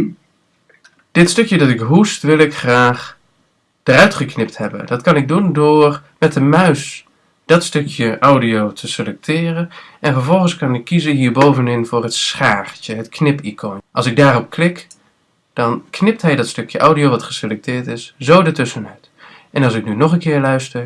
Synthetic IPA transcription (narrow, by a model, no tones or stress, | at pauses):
d̥ɪtstɵkjədɑtɪkɦustʋɪlˠɪkχraːχ | d̥ərœɥtχəknɪp̚thɛbə̰ndɑtkɑnɪɡ̚dundʊːrmɛtəmœɥs | d̥ɔtstøkʰjəʔawdiotʰəselɛk̚tʰɪːrənʔɛnvəɹvɔlˠχən̩skɑnɪkʰːizənɦiːɹbowvənɪnvʊːrɦətsχaːrt͡ʃəɦətknɪpikʰonʔɑlˠsɪɡ̚daːrɔp̚klɪk | d̥ɑnkʰnɪp̚tɦɛjdɔtstøkjəʔawdiowʋɑtχə̥selɛk̚tɪːɹtɪszowdətʏsənœɥt | ʔɛnɑlˠsɪk̚nynɔχənkɪːɹlœɥstə